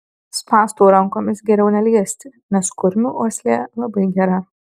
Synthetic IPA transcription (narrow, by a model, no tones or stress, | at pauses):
spɑːst̪oːɾɐŋˑkoːmʲɪsɡʲɛɾʲɛʊnʲɛlʲiɛsʲt̪ʲɪ | nʲɛskʊɾʲmʲuoːsʲlʲeːlˠɐbɐɪɡʲɛɾɐ